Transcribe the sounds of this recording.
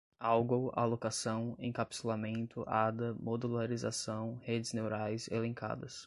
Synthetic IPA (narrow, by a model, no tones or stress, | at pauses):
awɡowa̰lokasɐ̃w̃ḛ̃kapi̥selamẽnt̪ʊʔad̪ɐmod̪ulaɾiza̰sɐ̃w̃hed͡ʒɪznewɾajzelẽka̰d̪ɐs